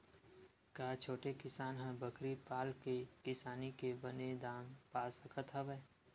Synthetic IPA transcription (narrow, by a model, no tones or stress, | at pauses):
kaːt͡ʃʰoːʈekɪsaːnɦə̃bəkɾipaːlkekɪsaːnikebəned̪aːmpaːsəkʰət̪ʰɦabəː